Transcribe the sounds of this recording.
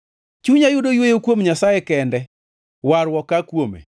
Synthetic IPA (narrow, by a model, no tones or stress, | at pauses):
t͡ʃuɲajʊdojwojokwomɲasajɛkɛndɛ | waɾwɔkakwomḛ